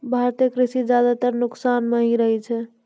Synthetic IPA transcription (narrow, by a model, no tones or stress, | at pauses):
bʱaɾt̪jəkɾisid͡ʒjad̪at̪əɾnuksanmeɦĩɾəɦɛt͡ʃʰɛ